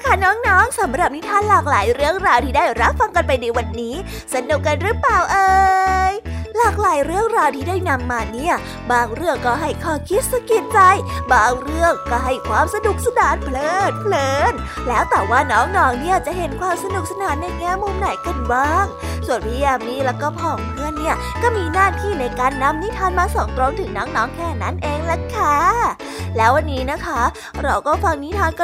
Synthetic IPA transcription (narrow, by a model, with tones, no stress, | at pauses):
kʰa˥˩nɔː˦˥ŋnɔː˦˥ŋsa˩˦mɾa˨˩p̚ni˦˥t̪ʰaː˧˥˨nlaː˨˩k̚laː˩˦jɾɯ˥˩əŋɾaː˧wt̪ʰiː˥˩daː˥˩jɾa˦˥p̚fa˧ŋka˧npa˧jna˧jwa˧nːiː˦˥ | sa˧nu˨˩k̚ka˧nɾɯ˦˥paː˨˩wʔɤː˧jlaː˨˩k̚laː˨˦jɾɯ˥˩əŋɾaː˧wt̪ʰiː˥˩daː˥˩jna˧mːaː˧ni˥˩ɐ | baː˧ŋɾɯ˥˩əŋkːɔː˥˩ɦa˥˩jkʰɔː˧˩kʰi˦˥t̪̚sa˧ki˨˩t̪̚t͡ɕa˧jbaː˧ŋɾɯ˥˩əŋkɔː˥˩ɦa˥˩jkʰwaː˧msa˧du˨˩k̚sa˧daː˨˦n̚pʰlɤː˧˩npʰlɤː˧˩n | lɛː˦˥wt̪ɛː˨˩waː˧˩nɔː˦˥ŋnɔː˨˦˥ŋni˥˩ət͡ɕa˨˩ʔɦe˨˩˦nkʰwaː˧msa˧nu˨˩k̚sa˧naː˩˦nːa˧jŋɛː˧˥˨nmːu˧mna˨˩˦jka˧˩nbaː˧˩ŋ | su˨˩ənpʰiː˧ja˧˨˧miː˧˥lɛː˦˥wkɔː˥˩pʰɔː˨˩ŋŋɯ˧˥ənːi˥˩ɐ | kɔː˥˩miː˧naː˥˩t̪ʰiː˥˩na˧jkaː˧nːa˧mni˦˥t̪ʰaː˧nmaː˧sɔ˨˩˦ŋt̪ɾo˧ŋt̪ʰɯ˨˩˦ŋnɔː˦˥ŋnɔː˦˥ŋkʰɛː˧˩na˦˥nʔeː˧ŋla˨˧˩kʰːa˦˥˩ | lɛː˦˥wa˧nːiː˦˥na˦˥kʰa˦˥ | ɾa˧wkɔː˥˩fa˧ŋni˦˥t̪ʰaː˧nkɔ˧